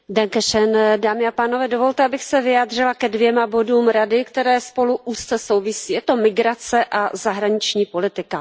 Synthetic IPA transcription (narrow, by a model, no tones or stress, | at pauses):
dɛŋkɛʃɛndaːmɪapaːno̞vɛːdo̞vo̞lt̪ɛabɪxsɛvɪjaːd̪r̝ɪlakɛdvjɛmabo̞duːmɾadɪkt̪ɛɾɛːspo̞luʔuːst͡sɛso̞wvɪsiːjɛt̪o̞mɪɡɾat͡sɛʔazaɦɾaɲɪt͡ʃɲiːpo̞lɪt̪ɪka